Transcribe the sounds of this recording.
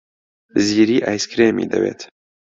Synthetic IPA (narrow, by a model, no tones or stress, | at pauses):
ɨziːɾiːʔaːjskɾeːmḭːd̪ɐ̰bḛːt̪